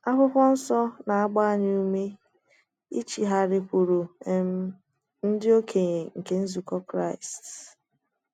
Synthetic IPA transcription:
a˦ɸʊ˦pʷɔ˦n̩˦sɔ˦na˨a˦ɡ͡ba˦a˦˨ɲɪ˦u˦me˦ | ḭ˦t͡ʃi˨ɦa˨ɾɪ˨kʷu˨ɾu˨m˦ | n̩˦dɪ˦o˦kʰe˨ɲ˨ŋ̩˨ke˨n̩˦zu˨kɔ˦kɾa˦ɪ˨s

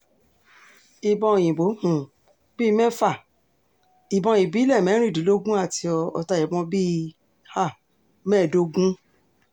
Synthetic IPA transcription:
i˨bɔ̃˧˨j̃ĩ˨ɡ͡bo˨˦hũ˨ | bi˦˧mɛ̃˦fa˦˨ | i˨bɔ̃˧jĩ˨bi˨˦lɛ˦˨mɛ̃˨˦ɾ̃ĩ˦˨di˨˦lo˦ɡũ˦a˦˨ti˧ɔ˧ɔ̰˧˨ta˧˨jɛ˨bɔ̃˧bi˦ | ha˦˨ | mɛ̃˦˨do˧ɡũ˦

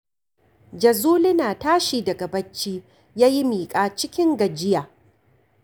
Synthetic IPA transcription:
d͡ʒɐ˨zuː˦lɪ˦naː˨taː˦ʃiː˨dɐ˨ɡɐ˨bɐ˦t͡ʃːiː˦ | jaː˦ji˦miː˨kʼaː˦t͡ʃɪ˦kʲɪ˦ŋɡɐ˨d͡ʒɪ˦jaː˨

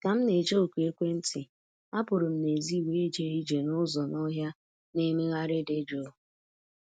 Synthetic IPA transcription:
ka˨m̩˦ne˨d͡ʒo˦o˨kʷu˨e˦kʷe˦n̩˦tɪ˨ | a˦pʊ˨ɾʊ˨m̩˦ne˨zi˦˨we˦e˦d͡ʒe˦ɾi˦d͡ʒe˨nʊ˦zɔ˨nɔ˦ɦja˦ | ne˦me˦ɣa˦ɾɪ˦de˦d͡ʒo˦˨

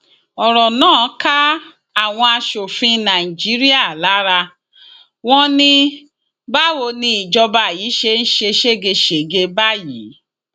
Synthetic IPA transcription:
ɔ˨ɾɔ˨nãː˦˨˦ka˦ | a˦˨w̃ɔ̃˧a˧ʃo˨fĩ˧nã˨i˨d͡ʒi˨˦ɾi˦a˦˨la˨˦ɾa˧ | w̃ɔ̃˦nĩ˧ | ba˦wo˧nĩ˧i˨d͡ʒɔ˧ba˧˨ji˨˦ʃe˧n̩˦ʃe˧ʃe˦ɡe˧ʃe˨ɡe˧ba˦˨ji˨˦

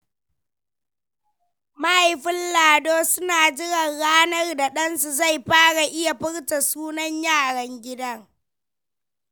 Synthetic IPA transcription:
ma˦ʔa˨jɸɪ˦nlaː˨doː˦sʊ˦naː˨d͡ʒɪ˦ɽɐ˨rɽaː˦nɐ˦rda˨ɗɐ˦nsu˨za˦˨jɸaː˦ɽa˨ʔɪ˦ja˨ɸɪ˦ɽta˨suː˦nɐ˦ɲjaː˦˨ɽɐ˨ŋɡʲɪ˦dɐ˦ŋ

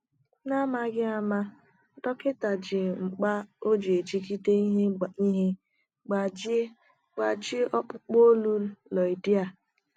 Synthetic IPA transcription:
na˦ma˦ɡɪ˦a˨ma˦ | dɔ˦kɪ˦ta˨d͡ʒɪ˨ŋ͡m̩˨k͡pa˦o˦d͡ʒe˨e˨d͡ʒi˦ki˦te˦i˦ɦe˦˨i˦ɦe˦ | ɡ͡ba˨d͡ʒ | ɡ͡ba˨d͡ʒi˦ɔ˦k͡pʊ˦k͡po˦lu˦lɔ˨i˨di˦a˨

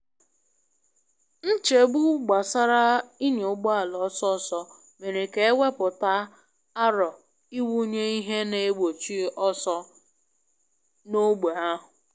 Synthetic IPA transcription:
n̩˦t͡ʃe˨ɡ͡bu˦ɡ͡ba˨sa˦ɾa˦i˦ɲ˨ʊ˨ɡ͡bɔ˦a˨lɔ˨˦sɔ˦sɔ˦ | me˨ɾe˨ke˨˦wʷe˦pʊ˨ta˦ | a˦ɾɔ˨ | i˦wu˦ɲe˦i˦ɦe˦ne˨e˦ɡ͡bo˨t͡ʃi˦ʔɔ˦sɔ˦ | no˦ɡ͡be˨a˦ɦʊ˨

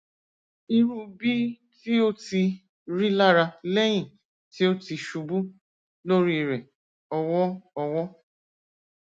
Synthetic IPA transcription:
i˧ɾũ˦bi˦ | ti˦o˦ti˧ | ɾi˦la˦ɾa˧lɛ˦j̃ĩ˨ | ti˦o˦ti˧ʃu˧bu˦ | lo˦ɾi˦˨ɾɛ˨ | ɔ˧wɔ˦ɔ˧wɔ˦

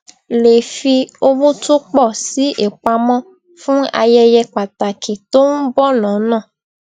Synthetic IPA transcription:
le˨fi˧o˧bu˦tu˦k͡pɔ˦˨si˦ʔe˨k͡pa˧mɔ̃˦ | fũ˦a̰˧jɛ˦jɛ˧k͡pa˨ta˨kʰi˨t̪o˦ŋũ˦bɔ˦nɔ̃˨˦nãː˦˨

